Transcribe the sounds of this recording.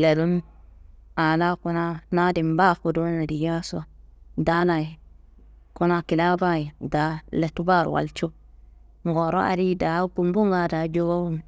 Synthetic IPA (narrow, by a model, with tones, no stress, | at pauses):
le˨ɾu˦m | a˨na˦ku˦na˦na˦di˨mba˦fu˨do˦na˨di˨ja˦so˦da˦na˨i˨ | ku˦na˨ki˨la˦ba˦ji˨da˨˦le˨tu˦ba˦˨ɾ̰wa̰˨lt͡ʃo˦ | ŋɡo˨ɾo̰˦a̰˨ɾi˦da˨˦bu˨mbu˦ŋɡa˨da˨d͡ʒo˦ba˦bu˦m˨